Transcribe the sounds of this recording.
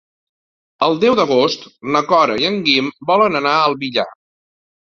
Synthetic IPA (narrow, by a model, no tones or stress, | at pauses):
əlˠd̪ɛwd̪əɣ̞ost̪nəkɔɾə̰iəŋɡimbɔlənənaəlˠβiʎa̰